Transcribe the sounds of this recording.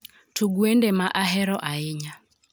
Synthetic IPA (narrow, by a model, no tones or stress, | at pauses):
tʰuɡuendɛmaʔaɦɛɾɔʔaɪɲa